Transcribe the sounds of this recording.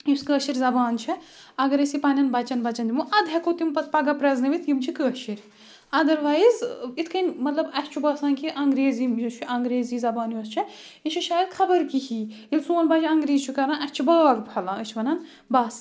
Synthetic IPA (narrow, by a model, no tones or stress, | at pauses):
jiskəːʃiɾʲzɐbaːnt͡ʃʰɛɐɡɐɾɐsipɐnʲɐnbɐt͡ʃɐnbɐt͡ʃɐnd̪ʲimuʔɐd̪ɦɛkot̪impɐt̪ʰpɐɡɐpɾɐznɐʋit̪jimt͡ʃʰikəːʃiɾʲ | ɐd̪ɐɾʋaːizit̪ʰkʰɐnʲmɐt̪lɐbɐt̪ʲt͡ʃʰubɐːsãːnkʰiʔɐŋɡɾeːzimjɐt͡ʃʰuɐŋɡɾeːzizɐbaːnjɐst͡ʃʰɛ | iʃʰiʃaːjɐd̪xʰɐbɐɾkihiː | ilʲsũːɐnbɐːd͡ʒiɐŋɡɾeːzt͡ʃʰukɐɾãnɐst͡ʃʰibɐːɐɡpʰɐlaət͡ʃʰʋɐnɐn | bɐːs